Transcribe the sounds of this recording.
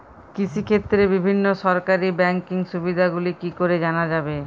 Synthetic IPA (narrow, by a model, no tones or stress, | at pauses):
kit͡ɕʰikʰet̪ːɾebibʱinːoʃɔɾkaɾibɛŋkiŋʃubid̪ʱaɡulikikoɾed͡ʑanad͡ʑabe